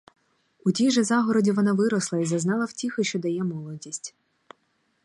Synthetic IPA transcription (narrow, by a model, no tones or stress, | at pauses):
utʲijʒɛzɑɦɔɾɔdʲiʋɔnɑʋɪɾɔslˠɐizɐznɑlˠɐwtʲixɪʃt͡ʃɔd̪ɐjɛmɔlˠɔdʲisʲtʲ